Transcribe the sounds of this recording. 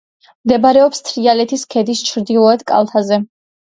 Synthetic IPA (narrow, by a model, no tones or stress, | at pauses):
md̪ɛbɾɛɔpst̪ʰɾialɛt̪ʰiskʰɛd̪ist͡ʃʰɾd̪ilˠɔɛd̪kʼa̰lˠt̪ʰazɛ